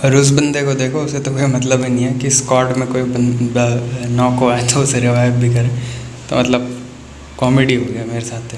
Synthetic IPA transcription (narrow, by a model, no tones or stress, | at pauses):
ɔːɾʊs̬bɐ̃nd̪ekod̪eːkʰoʊset̪okoːimɐt̪ləbɦinɐɦĩɦɛːkiskɔːʈmẽkoːibɐnd̪anɔːkoaːet̪ʰoʊseɾɪʋaːjəbbʱikɐɾẽːt̪o̰mɐt̪ləb̚ | kɔːmeɖiɦoːɡɐjameːɾesaːt̪ʰe